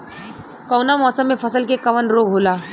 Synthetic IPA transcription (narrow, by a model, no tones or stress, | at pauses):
kɔːnamɔːsəmːẽpʰəsəlkekɐʋənɾoːɡʱɦoːlaː